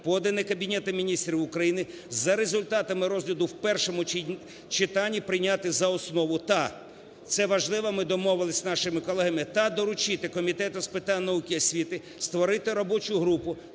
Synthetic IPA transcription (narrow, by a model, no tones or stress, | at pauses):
pɔd̪ɪnɪkɐbʲinʲɛt̪ɐmʲinʲist̪ɾʲiwʊkɾɐjinɪ | zɐɾezʊlʲt̪ɑt̪ɐmɪɾɔzʲlʲɐd̪ʊwpɛrʃɔmʊ | t͡ʃɪt̪ɑnʲːipɾɪnʲat̪ɪzɐɔsnɔʋʊt̪ɐ | t̪sɛʋɐʒlˠɪʋɐmɪd̪ɔmɔʋɪlˠɪsʲnɑʃɪmɪkɔlˠɛɦɐmɪt̪ɐd̪ɔɾʊt͡ʃɪt̪ɪkɔmʲit̪ɛt̪ʊspɪt̪ɑnʲnɐukʲɪɔsʲʋʲit̪ɪ | st̪ʋɔɾɪt̪ɪɾɔbɔt͡ʃʊɦɾupʊ